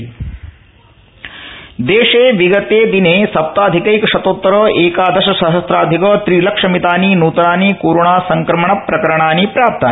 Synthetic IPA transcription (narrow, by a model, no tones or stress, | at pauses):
d̪eːʂeːʋiɡɐt̪eːd̪ineːsɐp̚t̪aːd̪ʱikɐjkɐʂɐt̪oːt̪ːɐɾɐːʔeːkaːd̪ɐʃɐsɐɦɐst̪ɾaːd̪ʱikɐːt̪ɾilɐkʂɐmit̪aːninuːt̪ɐɾaːnikoːɾoɳaːsɐŋkɾɐmɐɳɐpːɾɐkɐɾɐɳaːnipɾaːp̚t̪aːn